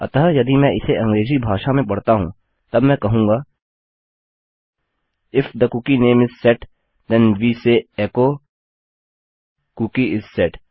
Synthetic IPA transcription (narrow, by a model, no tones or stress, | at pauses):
ɐ̰t̪aɦjɐd̪imɛ̃ɪseʔɐ̃ŋɡɾeːzibʱaːʃamẽpɐɽt̪aɦṵ̃ː | t̪ɐbmɛ̃kɐɦũːŋɡaː | ɪfd̪ɐkuːkineːmɪsːɛʈ | d̪ɛnʋiːseɛːko | kuːkiɪsːɛʈ